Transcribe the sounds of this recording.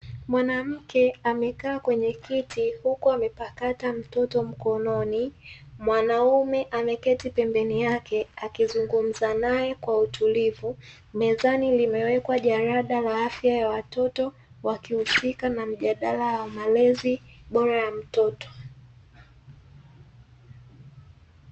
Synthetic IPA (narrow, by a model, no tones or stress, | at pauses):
mwanam̩kɛamɛkaːkwɛɲɛkitʰihukuamɛpakatam̩tɔtɔm̩kɔnɔnimwanaumɛʔamɛkɛtipɛmbɛnijakɛakizuŋɡum̩zanajɛkwautʰulivu | mɛzanilimɛwɛkwaʄaɾaɗalaafjajawatɔtɔ | wakihusikanam̩ʄaɗalaawmalɛziɓɔɾajam̩tɔtɔ̥